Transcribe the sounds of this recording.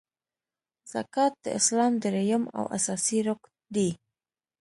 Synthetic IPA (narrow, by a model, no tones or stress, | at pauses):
za̰kat̪̚ḛḛsland̪eɾejoma̰wʔa̰sasiɾok | d̪i